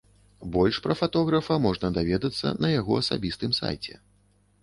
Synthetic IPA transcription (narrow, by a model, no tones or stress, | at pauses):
bɔlʲʂpɾɐfat̪ɔɣɾɐfɐmɔʐnɐd̪avʲɛd̪ɐt̪sːɐ̰nɐjaɣɔɐsa̰bʲist̪ɨmsa̰jt͡sʲɛ̰